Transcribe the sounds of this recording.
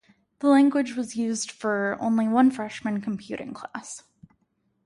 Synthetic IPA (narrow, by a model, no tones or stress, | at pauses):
ðəlæ̃ŋɡwɨd͡ʒwʌzjʉzd̥fə˞õ̰ʊ̃nliwʌ̃nfɹɛʃmɨ̃nkʰm̩pʰj̥ʉ̰ɾʔɪ̰̃ŋkʰl̥æs